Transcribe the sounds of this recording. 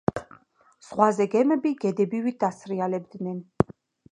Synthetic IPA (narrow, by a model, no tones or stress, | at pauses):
z̥ʁwazɛɡɛmɛbiɡɛd̪ɛbivit̪̚d̪asɾialɛbd̪nɛn